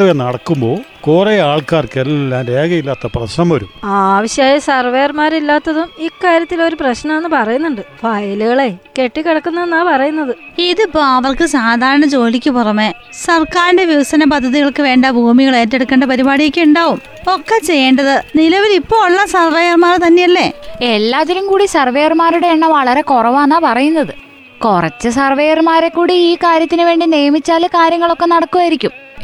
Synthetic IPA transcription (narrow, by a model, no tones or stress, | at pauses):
ɐʋenːɐɽɐkːumbo̞ːkoːreaːɭkaːrkelɐlilːaːnɾeːɡɐjilːaːt̪ːɐprɐɕɐmʋɐɾṵmaːʋiɕjaːjɐsɐrʋɐjɐrmaːɾilːaːt̪ːɐðumikːaːɾjɐt̪ːilo̞ɾuprɐɕnɐmenːɨpɐrɐjunːuɳɖɨfɐjɐluɣɐɭeke̞ʈːikeɽɐkːunːɐnːaːpɐrɐjunːɐðɨiðɨpːoːɐʋɐrkɨsaːd̪ʱaːɾɐɳɐt͡ɕo̞ːlikʲːɨpurɐmːe | sɐrkaːɾinde̞ʋiʋɐsɐnɐp̬ɐd̪ʱːɐðiɣɐɭkɨʋe̞ːɳɖɐbʱuːmiɣɐɭeːtːe̞ɽukːeːɳɖɐpɐɾibaːɽijekʲːeuɳɖaːʋum | o̞kːet͡ɕe̞jːeːɳɖɐðɨnilɐʋilipːo̞ːɭːɐsɐrʋejɐrmaːrt̪ɐnːe̞jɐlːe̞elːaːt̪ːɐɾumkuːɽisɐrʋejɐrmaːɾuɽe̞eɳːɐʋɐɭɐɾe̞korɐʋanːaːpɐrɐjun̪ːɐðɨ | kurɐ̰t͡ɕːɨsɐrʋejɐrmaːɾe̞kːuːɽiiːkaːɾjɐt̪ːinɨʋe̞ːɳɖineːmit͡ɕːaːlkaːɾjɐŋːɐɭo̞kːe̞nɐɽɐkːuʋaːjiɾikʲːum